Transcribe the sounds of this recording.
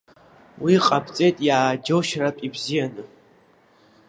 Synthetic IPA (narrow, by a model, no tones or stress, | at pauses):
wiqʼapʰt͡sʼejtʼjaːd͡ʒowʃratʼibzijanɨ